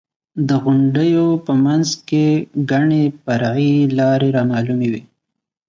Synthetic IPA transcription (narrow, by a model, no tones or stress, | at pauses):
d̪əɣʊɳɖəjopəmanzkeɡaɳepaɾɑilɑɾeɾɑmɑlumewi